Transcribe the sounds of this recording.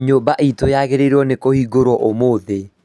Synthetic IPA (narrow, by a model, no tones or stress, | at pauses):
ɲobaʔitojaɣeɾeɾɔnekohiːɡoɾwɔʔomoðe